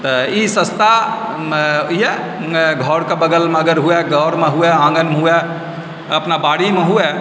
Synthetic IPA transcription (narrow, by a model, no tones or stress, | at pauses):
t̪əisə̃st̪a | iɛ | ɡʱɔɾkebəɡəlmeəɡəɾɦuɛɡʱɔɾmeɦuɛãŋɡənmɦuɛ | əpnabaɽimeɦuɛ